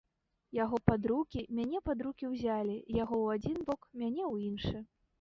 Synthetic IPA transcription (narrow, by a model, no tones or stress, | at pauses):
jaɣɔpad̪ɾukʲimʲanʲɛpad̪ɾukʲiwzʲalʲijaɣɔwad͡zʲinbɔkmʲanʲɛwinʂɨ